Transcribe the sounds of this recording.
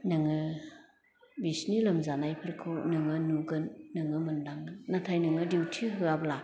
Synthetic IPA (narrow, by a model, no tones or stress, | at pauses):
nɯŋɯ | bisnilɐmzanajpʰɯɾkʰɯwnɯŋɯnuɡɯnːɯŋɯmɯndaŋɯnːatʰajnɯŋɯdiwtʰiɦɯabla